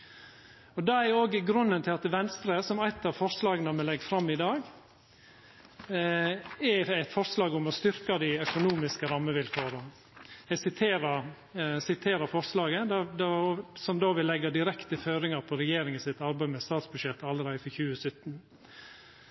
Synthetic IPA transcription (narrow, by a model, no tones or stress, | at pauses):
ɔd̪ɑæoːɡəɡɾʉnːənt̪ʰɪlɑt̪ʋɛnst̪ɾəsɔmæɪt̪ɑʋfɔɾslɑːɡənəmɛlɛɡfɾɑmːɪd̪ɑːɡ | ɛæɪt̪fɔɾslɑːɡʊmɔst̪ʏɾkɑd̪ɪœkʊnuːmɪskəɾɑmːəʋɪlføːɾɑ | ɛsɪt̪ʰeːɾɑ | sɪt̪ʰeːɾəfɔɾslɑːɡəd̪ɑd̪ɑsɔmd̪oːʋɪlːɛɡːɑd̪ɪɾɛkt̪əføːɾɪŋɑɾpʰɔɾɛjeːɾɪŋɪsɪt̪ɑɾbæɪmɛst̪ɑːt̪sbʉd̪ʃjɛt̪ːɑlːəɾæɪəfɔçʉːəsœt̪ːn